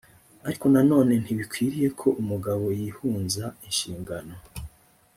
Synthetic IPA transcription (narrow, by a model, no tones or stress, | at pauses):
aɾiko̞nano̞ːne̞n̥hiβikwiːɾije̞kʰo̞ʔumuɡaβo̞jiːhuːnzainʃiːŋɡano̞